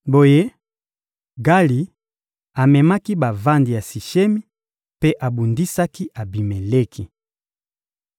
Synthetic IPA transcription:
bo˨je˦ | ɡa˦li˨ | a˨mɛ˨ma˦ki˦ba˨va˦ndi˨ja˨si˨ʃe˦mi˦ | pe˦ʔa˨bu˨ndi˦sa˦ki˦ʔa˨bi˨me˨le˦kʰi˨

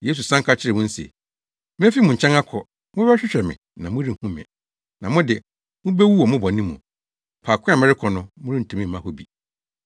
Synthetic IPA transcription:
je˦s̬u˨sã˦ŋ˦kʰa˦t͡ɕʰɪ˦ɾɪ˨wʊ̃˦n̩˦sḛ˨ | mɪ̃˦fi˦mʊ̃˨ɲ̩˨t͡ɕʰɛ̃˦ŋa˦kʰɔ˨ | mʊ̃˦bɛ˦ɕᶣɪ˦ɕᶣɛ˨mɪ̰̃˨nã˨mʊ̃˦ɾi˦˨hũ˦mɪ̰̃˨ | nã˨mʊ̃˦dɪ˨ | mʊ̃˦be˦wu˦wɔ˨mʊ̃˦bɔ˨nĩ˦mṵ̃˨ | pʰaː˨kʰʊ̃˦a˨mɛ̃˦ɾɪ˦kʰɔ˨nʊ̃˦mʊ̃˦ɾĩ˦n̩˨tʰɛ̃˨mĩ˦m̩˨mã˦ho˦bi˨

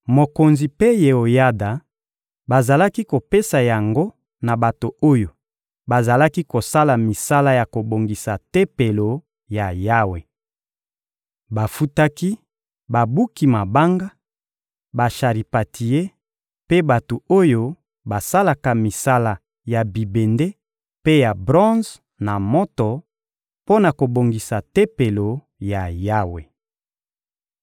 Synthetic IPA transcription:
mo˨ko˨nzi˨pe˦je˨o˨ja˦da˨ | ba˨za˨la˦ki˦ko˨pe˦sa˨ja˨ŋɡo˦ | na˨ba˨to˨o˦jo˨ | ba˨za˨la˦ki˦ko˨sa˦la˨mi˨sa˦la˦ja˨ko˨bo˨ŋɡi˨sa˨te˦pe˨lo˨ | ja˨ja˦we˨ | ba˨fu˦ta˦ki˦ | ba˨bu˦ki˨ma˨ba˦ŋɡa˦ | ba˨ʃa˨ʁi˨pa˨tʰi˨je˦ | pe˦ba˨to˨o˦jo˦ | ba˨sa˦la˨ka˨mi˨sa˦la˨ | ja˨bi˨be˨nde˦ | pe˦ja˨bʁɔ̃˦z | na˨mɔ˦tɔ˨ | po˦na˨ko˨bo˨ŋɡi˨sa˨te˦pe˨lo˨ | ja˨ja˦we˨

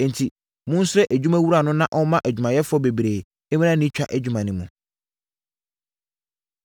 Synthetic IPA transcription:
n˨tʰi˨ | mʊ̃˦n̩˦sʊ˦ɾɛ˦ʔæ˨d͡ʑᶣu˦mæ˦wu˦ɾa˨nʊ̃˦nã˦ʔɔ˦mã˦ʔæ˨d͡ʑᶣu˨mã˨jɛ˦fʊ˦ɔ˦be˨bɾeː˨ | e˦mĩ˦nã˦nĩ˦t͡ɕᶣa̰˦ʔæ˨d͡ʑᶣu˨mã˨nɪ̃˨mũ˨

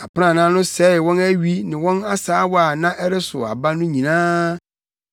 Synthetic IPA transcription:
a˨pɪ˦nã˦˨nã˦nʊ̃˦sɛ˨˦˨wɔ̃˦næ˦ɥi˦nɪ̃˨wɔ̃˦na˦saː˨˦wa˨nã˦ʔɛ˦ɾɪ˦sʊ̰˨a̰˨ba˦nʊ̃˦ɲĩ˨nãː˦

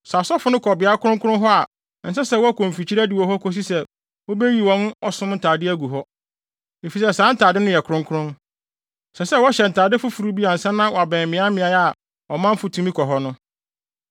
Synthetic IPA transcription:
sa˨sɔ˦fʊ˨˦nʊ̃˦kʰɔ˨bɪ˨a˦kʰʊ˦ɾʊ̃˦ŋkʰʊ˦ʊ̃˦ɦɔ˦a˨ | n̩˨sɛ˦sɛ˦wɔ˦kʰõ˨m˨fi˨t͡ɕʰi˦ɾæ˦dɪ˨wɔ˨ɦɔ˦kʰɔ˦s̬i˦sɛ˦ | wo˦be˦ji˨wɔ̃˦nɔ˨sʊ̃˦mn̩˦tʰaː˨dɪ˦æ˦ɡu˨ɦɔ˦ | e˨fi˨sɛ˦sãː˦n̩˦tʰaː˨dɪ˦nʊ̃˦jɛ˨kʰʊ˨ɾʊ̃˦ŋkʰʊ˦ɾʊ̃˦n | sɛ˨sɛ˦wɔ˦ɕɛ˨n̩˨tʰaː˨dɪ˦fʊ˦fu˨ɾu˦bi˦a˨n̩˨sɛ˦nːã˦wɔ˨a˨bɛ̃˨mmɪ̃˨˦a˦mɪ̃˨a˨˦a˦˨ | ɔ˨mã˦m̩˦fʊ˨tʰũ˦mĩ˦kʰɔ˨ɦɔ˦nʊ̃˦

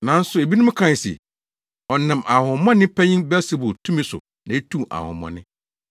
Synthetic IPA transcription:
nã˨n̩˦sʊ˨e˨bi˦nʊ̃˦m˦kʰã˦˨sḭ˨ | ɔ˨nɪ̃˨mʔa˨hʊ̃˨mɔ̃˦nɪ̃˦pʰæ˦ɲĩ˦nbɛ˦si˦bʊ˨tʰũ˦mĩ˦sʊ̰˨ | nã˨e˦tʰũ˦˨ma̰˨hʊ̰̃˨mɔ̰̃˦nɪ̃˦

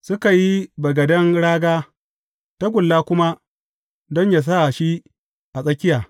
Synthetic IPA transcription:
sʊ˦ka˨ji˦bɐ˨ɡɐ˨dɐ˦ŋɽaː˦ɡaː˦ | ta˦ɡʷʊ˨lːaː˦kʷʊ˦ma˦ | dɔ˦ɲja˨s̬a˦˨ʃi˦ | ʔa˨sʼɐ˦kʲɪ˦jaː˨

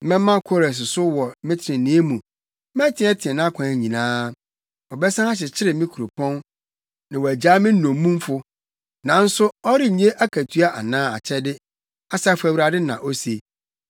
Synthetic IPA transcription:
mɛ̃˦mːã˦kʰɔ˦ɾɛ˨s̬ɪ˨sʊ˦wɔ˨mɪ̃˦tʰɪ˨ɾɪ̃˨nɪ̃˦e˦mũ˨˦ | mɛ̃˦tʰɪ̃˨˦ɛ˦tʰɪ˨ɛ˨nã˦kʷʰã˨ɲĩ˨nãː˦ | ɔ˨bɛ˦sã˦a˦ɕ̬ɪ˨t͡ɕʰɪ˦ɾɪ˨mɪ̃˦kʰu˨ɾu˨pʰɔ̃˦n | nã˨wɔ˨æ˨d͡ʑaː˦mɪ̃˦ɔ̃˨mːũ˦mfʊ˦ | nã˨n̩˦sʊ˦ɔ˦ɾɪ˦ɲ˦ẽ˦ʔa˦kʰæ˨tʰu˦a˦ʔa˨nãː˦a˨t͡ɕʰɛ˦dɪ˦ | a˨sa˦fʊ˦æ˨wi˨ɾa˨dɪ˦nã̰˨ʔo˦se˨

